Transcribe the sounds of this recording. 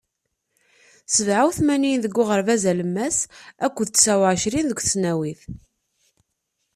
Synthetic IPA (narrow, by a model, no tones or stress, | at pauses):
səvʕawθmæninðəɡʷːʊʁəɾvæzæləmːæsækʷːəðt͡sːsæwʕʃɾinðəkʷθəsnæwiθ